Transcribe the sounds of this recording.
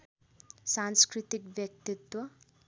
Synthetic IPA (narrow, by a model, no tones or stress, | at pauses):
sanskɾit̪ikbjʌk̚t̪it̪wʌ